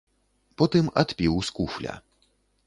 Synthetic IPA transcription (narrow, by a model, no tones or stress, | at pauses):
pɔt̪ɨmat̪pʲiwskuflʲɐ̰